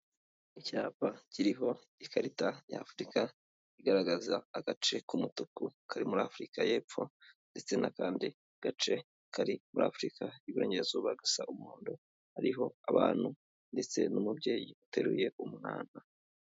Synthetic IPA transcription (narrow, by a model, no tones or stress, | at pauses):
icaːpaciɾiɦo̞ | ikʰaɾitaja̰fɾika | iɡaɾaɡazaːɡ̥at͡ʃe̞kumutukukʰaɾimuɾaːfɾikaje̞ːpp͡fo̞nde̞t͡se̞nakaːndi | ɡ̥at͡ʃe̞ | kʰaɾimuɾʔa̰ːfɾikʰaiβuɾe̞ːɲɟeezoβaɡasaʔumuːndo | haɾiɦo̞aβaːn̥hu | nde̞t͡se̞̰numubɟe̞ːjiute̞ɾuje̞ʔumŋaːna